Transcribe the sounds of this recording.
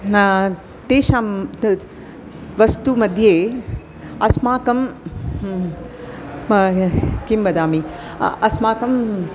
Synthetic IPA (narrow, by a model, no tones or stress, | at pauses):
t̪eːʃaːm | ʋɐst̪umɐd̪ʱjeː | ɐsmaːkɐm | kimbɐd̪aːmi | ɐsmaːkɐm